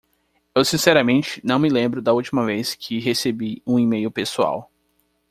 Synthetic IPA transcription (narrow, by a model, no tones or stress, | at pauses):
ewsĩsɛɾɐmẽnt͡ʃɪ̥nɐ̃w̃mɪlẽmbɾʊd̪ɐuwt͡ʃimɐveskʰɪɦesebiũimejʊpesua̰w